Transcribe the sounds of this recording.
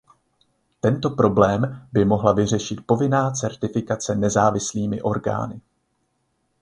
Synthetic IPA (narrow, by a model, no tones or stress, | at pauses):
t̪ɛnt̪o̞pɾo̞blɛːmbɪmo̞ɦlavɪr̝ɛʃɪt̪̚po̞vɪnaːt͡sɛɾt̪ɪfɪkat͡sɛnɛzaːvɪsliːmɪʔo̞ɾɡa̰ːnɪ